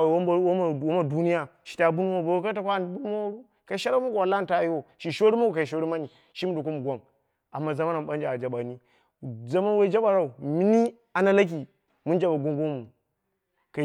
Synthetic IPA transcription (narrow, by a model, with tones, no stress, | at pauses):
wo˦ma˦˨du˦ni˦ja˦ʃi̥˨ta˨bu˦nu˦ma˦˨bo˨wo˦ka˦ta˨kʷa˦˨n˦bu˦nu˦ma˦wɾu˦ | ka˨i˨ʃa˦ɾa˦u˦ɡʷa˨la˦˨n˨ta˦˨ji˦wo˨ʃi˨ʃo˦ɾi˦ma˦u˨ka˨i˨ʃ̬o˦ɾi˦ma˦ni˨ | ʃi˦m˦do˨ko˦mu˨ɡʷo˦ŋ | a˨mːa˨za˦ma˦na˨m˨ɓa˦nd͡ʒa˨d͡ʒa˨ɓa˨ni˦ | za˦ma˦n˦we˦d͡ʒa˦ɓa˨ɾa˦˨u˨mi˦ni˦ | a˨na˦la˦k̬i˨ | mu˦nd͡ʒa˨ɓa˨ɡʷo˦ŋɡo˦mu˨ | ka˨